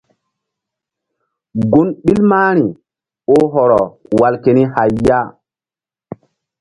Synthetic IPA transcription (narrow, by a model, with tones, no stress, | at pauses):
ɡu˦nɓi˦lmaː˦ɾ̃i˨ | o˦ɦɔ˨ɾɔ˨wa˨lke˨ni˦ha˨jjːa˦